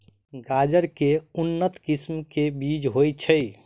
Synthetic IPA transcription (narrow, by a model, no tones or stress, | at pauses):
ɡad͡ʒəɾkeunːət̪kismkebid͡ʒɦojt͡ʃʰəj